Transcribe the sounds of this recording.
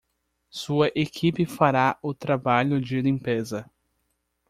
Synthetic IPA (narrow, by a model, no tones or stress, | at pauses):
suɐʔekʰipɪfaɾaʊt̪ɾabaʎʊd͡ʒɪlĩmpezɐ